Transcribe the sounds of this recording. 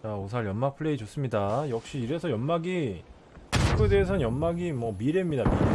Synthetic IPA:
aosʰaɭjʌnmak̚pʰɯɭe̞id͡ʑos͈ɯmɲidajʌk̚ɕ͈iːɾe̞sʰʌjʌnmaɡi | kʰɯde̞ːsʰʌnjʌnmaɡimwʌmiɾemɲidami

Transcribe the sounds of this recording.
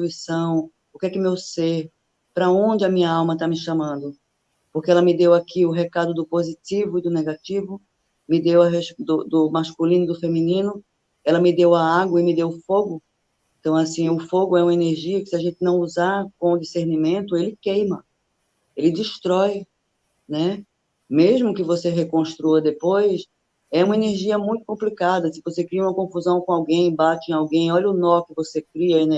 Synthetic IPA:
uisɐ̃w̃ | ʊkɛkɪʊmewseɾ | pɾɐõd͡ʒɪɐmĩɲɐawmɐt̪amɪʃɐ̃mɐ̃nd̪ʊ | poɾkeɛlɐmɪd̪ewakʰiʊɦekad̪ʊd̪ʊpozit͡ʃivʊɪd̪ʊneɡat͡ʃivʊ | mɪd̪ewɐɦeʃd̪ʊd̪ʊmaʃkulĩnʊd̪ʊfemĩnĩnʊ | ɛlɐmɪd̪ewaaɡwɐɪmɪd̪ewfoɡʊ | ẽt̪ɐ̃w̃asĩʊfoɡʊɛũmɐeneɾʒiɐkɪ̥sɪaʒẽnt̪ɪnɐ̃w̃uzaɾkõʊd͡ʒiseɾnimẽnt̪ʊelɪkejmɐ | elɪd͡ʒiʃt̪ɾɔj | nɛ | meʒmʊkɪvoseɦekõʃt̪ɾuɐd̪epojs | ɛũmɐeneɾʒiɐmũj̃t̪ʊ̥kõplikad̪ɐsɪvosekɾiɐũmɐkõfuzɐ̃w̃kõawɡẽj̃bat͡ʃɪẽawɡẽj̃ɔʎɐʊnɔkɪvosekɾiɐen

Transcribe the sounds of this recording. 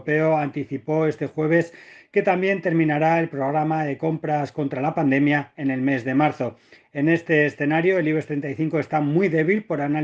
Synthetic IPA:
pe̞o̞ant̪iθipo̞e̞st̪e̞xwe̞β̞e̞ske̞t̪ambje̞nt̪e̞ɾmĩnaɾae̞lpɾo̞ɣɾamaðe̞ko̞mpɾasko̞nt̪ɾalapand̪e̞mjae̞ne̞lme̞zðe̞maɾθo̞ | e̞ne̞st̪e̞ːsθe̞naɾjo̞eliβe̞st̪ɾe̞nt̪ajθiŋko̞e̞st̪amwijðe̞βilpo̞ɾana

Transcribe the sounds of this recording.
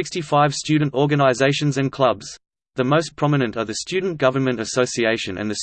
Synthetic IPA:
ɪkstifaɪv̥stʉdⁿn̩tɔɹɡɨnəɪzeɪʃɨ̃nzɨ̃nkʰl̥ʌbz̥ | ðəməʊspʰɹ̥ɑmənɨ̃ntəðɨstʉdⁿn̩ɡ̥ʌvənmɨ̃ntɨsəʊsieɪʃɨ̃nɨ̰̃nðɨs

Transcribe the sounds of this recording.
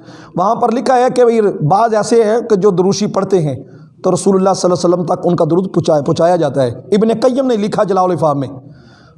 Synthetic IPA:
ʋɐɦãpəɾlɪkʰaɦɛːkeɾbaːzɛːseɦɛ̃ked͡ʒoːd̪ʊɾʊːʃipɐɽt̪eɦɛ̃ | t̪oːɾɐsuːləlːaːsələsələmt̪ɐkʊnkad̪ʊɾuːd̪pt͡ʃːpɔ̃ːt͡ʃaːjad͡ʒaːt̪aɦɛːɪbnekəjəmnɐĩlɪkʰad͡ʒəlaːʊlɪfaːmːẽː

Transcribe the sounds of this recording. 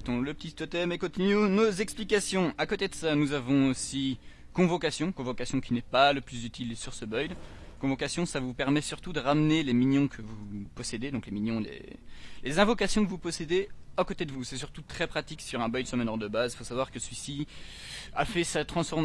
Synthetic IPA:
t̪ɔ̃ləpət̪ist̪ɔt̪ɛmekɔ̃t̪inyonozɛksplikasjɔ̃akot̪ed̪əsanuzavɔ̃osi | kɔ̃vɔkasjɔ̃kɔ̃vɔkasjɔ̃kʲinɛpaləplyzyt̪ʰilsyʁsəbœjd̪ | kɔ̃vɔkasjɔ̃savupɛʁmɛsyʁt̪ud̪əʁamneleminjɔ̃kʰəvupɔsed̪ed̪ɔ̃kleminjɔ̃lḛ | lezɛ̃vɔkasjɔ̃kəvupɔsed̪eakot̪ed̪əvusɛsyʁt̪ut̪χɛpχat̪iksyʁɛ̃bœjd̪səmənɔʁd̪əbazifosavwaʁkəsəɥisi | a̰fɛsat̪χɑ̃sfɔʁm

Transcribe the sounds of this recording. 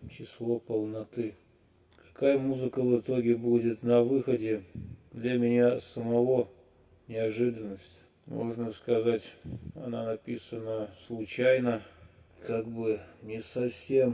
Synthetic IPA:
t͡ɕɪslˠopəlˠnɐt̪ɨ | kɐ̥kajəmuzɨkəvɨt̪o̞ɡʲɪbudʲɪt̪nɐvɨxədʲɪd̪lʲamʲɪnʲasəmɐvo̞ | nʲɪɐʐɨd̪ənːəsʲtʲ | mo̞̰ʐnəskɐzatʲɐ̰nanɐpʲisənəslˠʊt͡ɕæjnəkaɡ̚bɨnʲɪsɐfsʲe̞m

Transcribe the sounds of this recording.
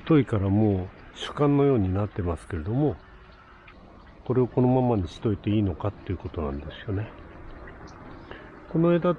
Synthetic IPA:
t̪o̞ikaɾamo̞ːɕɨ̥kãnːo̞jo̞ːɲ̟inat̪ːe̞masɨ̥ke̞ɾe̞d̪o̞mo̞ | ko̞ɾe̞oko̞no̞mamaɲ̟iɕi̥t̪o̞it̪e̞iːno̞kat̪ːe̞iɯ̟ko̞t̪onã̰nd̪e̞sɨ̥jo̞ne̞ | ko̞no̞eːd̪a

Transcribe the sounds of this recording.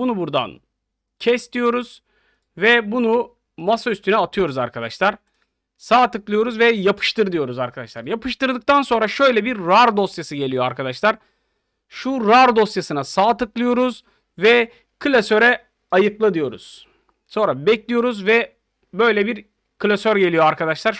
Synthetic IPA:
bunubuɾd̪a̰n | cʰɛst̪ʰijo̞ɾuz̥ | vɛbunu | masayst̪ʰynɛat̪ʰɯjo̞ɾuzaɾkʰad̪aʃlˠaɾ̥ | saːt̪ɯklˠɯjo̞ɾuzvɛjapʰɯ̥ʃt̪ɯɾd̪ɯjo̞ɾuzaɾkʰad̪aʃlˠaɾjapʰɯʃt̪ɯɾd̪ɯk̚t̪ʰanso̞nɾaʃø̞jlʲɛbiɾːaɾd̪o̞st̪jasɯɟe̞lʲijoaɾkʰad̪aʃlˠaɾ | ʃuɾaɾd̪o̞st̪jasɯnasaːt̪ɯklˠɯjo̞ɾuz | vɛ | kʰɯlʲasøɾɛ | ajɯklˠad̪ɯjo̞ɾṵz̥ | so̞nɾabɛclʲijo̞ɾuzvɛ | bø̞jlʲɛbiɾ | kʰɯlʲasøɾɟe̞lijo̞aɾkʰad̪aʃlˠaɾ

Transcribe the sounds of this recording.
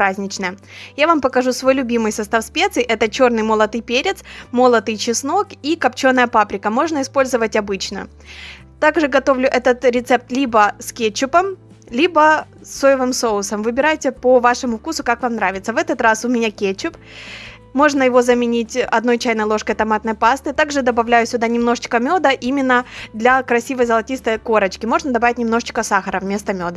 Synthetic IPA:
pɾazʲnʲɪt͡ɕnəjəjavampəkɐʐusvo̞jlʲʊbʲimɨjsɐst̪afsʲpʲet̪sɨjʔɛt̪ət͡ɕo̞rnɨjməlˠɐt̪ɨjpʲeɾʲɪt̪smolˠət̪ɨjt͡ɕɪsno̞kikɐpt͡ɕo̞nːəjəpapɾʲɪkəmo̞ʐnəɪspo̞lʲzɨvətʲɐbɨt͡ɕnə̰ | t̪aɡʐɨɡɐt̪o̞vlʲʊʔɛt̪ət̪ɾʲɪt̪sɛp̚t̪lʲibəskʲet͡ɕːʊpəm | lʲibəsojɪvɨmso̞ʊsəmvɨbʲɪɾajtʲɪpəvaʂɨmʊfkusʊkakvamnɾavʲɪt̪səvɛt̪ət̪ɾasʊmʲɪnʲakʲet͡ɕːʊp | mo̞ʐnəjɪvo̞zəmʲɪnʲitʲɐ̰d̪no̞jt͡ɕæjnəjlˠo̞ʂkəjt̪ɐmat̪nəjpast̪ɨt̪aɡʐɨd̪ɐbɐvlʲæjʊsʲʊd̪anʲɪmno̞ʐɨt͡ɕkəmʲo̞d̪əʔimʲɪnːəd̪lʲɐkɾɐsʲivəjzəlˠɐtʲist̪əjko̞ɾət͡ɕkʲɪmo̞ʐnəd̪ɐbavʲɪtʲnʲɪmno̞ʐɨt͡ɕkəsaxəɾəvmʲe̞st̪əmʲod̪ə

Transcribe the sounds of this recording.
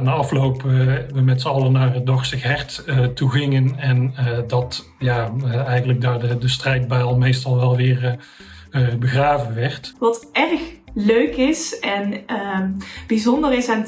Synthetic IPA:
naːɑflowpʋəmɛtsəɑlˠənaːrədɔɹstɪxɦɛɹtətuɣɪŋənɛndɑt | jaːɛjɣənləɡ̚daːɹdədəstrɛjd̚baːlˠmejstɑlˠʋɛlˠʋɪːɹ | əbəɣraːvənʋɛɹtʋɑtɛrxløɥkɪsɛn | b̥izɔndərɪsan

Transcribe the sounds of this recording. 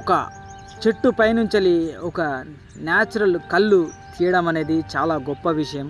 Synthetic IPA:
ɔkɐ̰ | t͡ʃeʈːupɐjnuɲt͡ʃɐliɔkɐ | njaːt͡ʃɐɾɐlkɐlːut̪ʰiːɐɽɐmɐne̞ːd̪it͡ʃaːlaːɡɔpːɐʋiʂɐjɐm

